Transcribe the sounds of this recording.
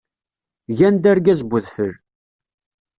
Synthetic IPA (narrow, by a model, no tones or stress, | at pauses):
ʝænd̪æɾɡæzbʷʊðfəɾ